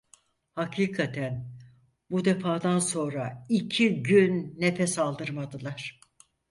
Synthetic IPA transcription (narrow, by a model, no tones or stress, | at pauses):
hakʰiːkʰat̪ʰæn | bud̪efaːd̪anso̞nɾaicʰiɟynːefɛsalˠd̪ɯɾmad̪ɯlˠaɾ̥